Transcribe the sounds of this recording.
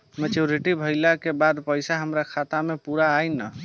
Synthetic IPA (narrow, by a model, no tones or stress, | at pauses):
mɛt͡ʃuɾiʈibʱəjlakebad̪pəjsaɦəmɾakʰat̪amepuɾaːjnə